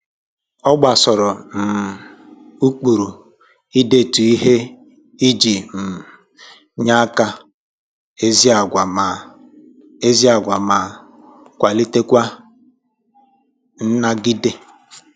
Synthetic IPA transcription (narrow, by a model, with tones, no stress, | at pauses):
ɔ˦ɡ͡ba˨sɔ˨ɾɔ˨m̩˨ | u˦k͡pu˨ɾu˨ | i˦de˦˨tu˨i˦ɦe˦ | i˦d͡ʒi˨m̩˨ | ɲa˦ka˦ | e˦zi˦a˨ɡʷa˨ma˨ | e˦zi˦a˨ɡʷa˨ma˨ | kʷa˨li˦te˦kʷa˦ | n̩˦na˦ɡi˦de˦